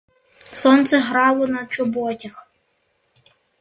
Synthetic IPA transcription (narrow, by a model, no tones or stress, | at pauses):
sɔnt̪sɛɦɾɑlˠɔnɐt͡ʃɔbɔtʲɐx